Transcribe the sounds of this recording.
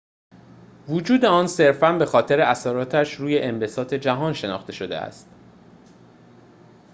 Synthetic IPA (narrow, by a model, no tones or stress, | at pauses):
vud͡ʒuːd̪e̞ɒːnse̞ɾfænbe̞xɒːt̪ʰe̞ɾe̞æsæɾɒːt̪ʰæʃɾuːje̞ʔembe̞sɒːt̪ʰe̞d͡ʒæɦɒːnʃe̞nɒ̰ːχt̪e̞ʃo̞d̪e̞̰æ̰st̪